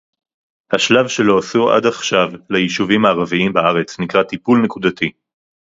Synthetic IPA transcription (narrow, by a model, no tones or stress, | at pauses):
haʃlavʃe̞lo̞asuʔa̰d̪aχʃavlajiʃuvimaːʁaviimbaaʁet͡snikʁat̪ipulnekud̪at̪i